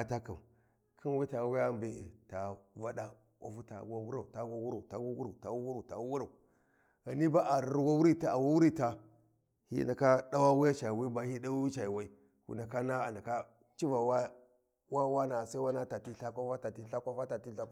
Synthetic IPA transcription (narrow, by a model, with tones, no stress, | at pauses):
a˨ta˦ka˨m | kʰi˦n˦wi˦ta˨wi˦ja˦mbe˦ḛ˨ta˨va˦da˦ | a̰˨fu˦ta̰˨wa˦wu˦ɾa˨u˨ta˨wa˦wu˦ɾa˨u˨ta˨wu˦ɡu˦ɾta˨wu˦wu˦ɾu˨ta˨wu˦wu˦ɾa˨u˨ | ɣa˨ni˦ba˦ʔa˨ɾɾwa˦wu˦ɾi˦ta˨a˨wu˦wu˦ɾi˦ta˦ | hḭ˦na˨ka˦da˦wa˦wu˦ja˦t͡ʃa˨wa˦ba˨hi˦da˦wi˦t͡ʃa˨jwa˦i˦ | kṵ˨na˨ka˦na˦a˨na˨ka˦ | t͡ʃi˦va˨wa˦ | wa˦wa˦na˨sa˦i˦wa˦na˦ta˨ti˦ɬa˦kʷa˦fa˦ta˨ti˦ɬa˦kʷa˦fa˦ta˨ti˦ɬa˦k